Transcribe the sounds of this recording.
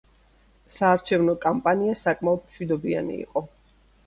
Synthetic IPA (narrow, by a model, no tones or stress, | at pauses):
saːɾt͡ʃʰɛvnɔkʼampʼaniasakʼmaɔd̪̚mʃwid̪ɔbia̰nḭḭːqʼɔ